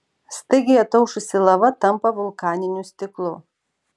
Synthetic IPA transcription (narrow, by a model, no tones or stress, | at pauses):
st̪ɐɪɡʲɪjɛt̪ɐʊʃʊsʲɪlˠɐʋɐt̪ɐmpɐʋʊlˠkɑːnʲɪnʲʊsʲt̪ʲɪklˠʊ